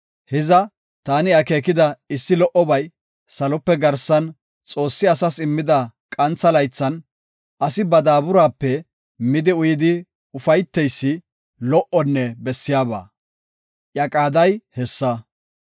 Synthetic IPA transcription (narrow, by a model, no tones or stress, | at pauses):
hɛzɐ | t̪aːnɪɐke̞ːkɪd̪ɐɪsːɪlɔʔɔbɐj | sɐlɔpːɛɡɐɾsɐn | t͡sʼo̞ːsːɪɐsɐsɪmːɪd̪ɐkʼɐnt͡sːɐlɐjt͡sːɐn | ʔɐsɪbɐd̪aːbʊɾaːpːɛ | mɪd̪ɪʊjɪd̪ɪ | ʊfɐjt̪ːɛjsːɪ | lɔʔɔnːɛbɛsːɪjaːba̰ː | ʔjɐkʼaːd̪ɐjhɛsːɐ